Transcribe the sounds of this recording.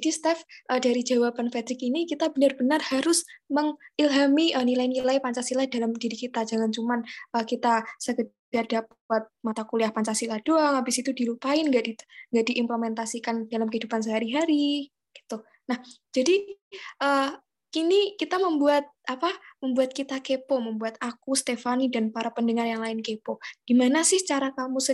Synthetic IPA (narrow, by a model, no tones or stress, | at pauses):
d͡ʒd͡ʒadist̪ɛfʔədaɾid͡ʒawapanfed̪ɾɪkinikit̪abənarbənarhaɾʊsməŋɪlɦamiʔənilajnilajpaɲt͡ʃasilahd̥alamdiɾikit̪ad͡ʒaŋant͡ʃumanəkit̪asəkə | d̥ardap̚uat̪̚mat̪akuliahpaɲt͡ʃasilahd̥oalabisit̪udilupaɪnɡaʔdiŋɡaʔdiʔɪmpləmɛnt̪asikandalamkəɦidupans̬əɦaɾiɦaɾi | ɡ̥i̥t̪u | nahd͡ʒadiʔə | inikit̪aməmbuat̪̚apaməmbuat̪̚kit̪akepɔməmbuat̪akust̪efanidanpaɾapəndəŋarjaŋlaɪnkepɔd̥imanasɪht͡ʃaɾak̪amusə